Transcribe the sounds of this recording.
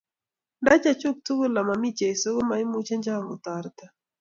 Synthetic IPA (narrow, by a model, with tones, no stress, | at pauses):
nda˦t͡ʃa˦˨t͡ʃu˦k̚tu˦ɣu˦la˨ma˨mi˦t͡ʃɛ˨so˦ɣɔ˦ma˨i˦mu˦t͡ʃa˦nd͡ʒa˦˨mu˨t̪a˨ɾt̪a˨